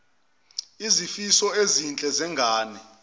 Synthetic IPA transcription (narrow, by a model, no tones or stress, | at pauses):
izifisɔezint͡ɬʼɛzɛŋʱaːnɛ